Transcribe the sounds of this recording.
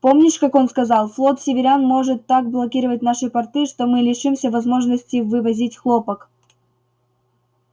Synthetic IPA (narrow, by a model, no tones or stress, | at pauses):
po̞mnʲɪʂkako̞nskɐzɑlˠflˠo̞t̪sʲɪvʲɪɾʲanmo̞ʐɨt̪ːak̚blˠɐkʲiɾəvət̚ʲnaʂɨpɐrt̪ɨʂt̪o̞mɨlʲɪʂɨmsʲəvɐzmo̞ʐnəsʲtʲɪvɨvɐzʲitʲxlˠo̞pək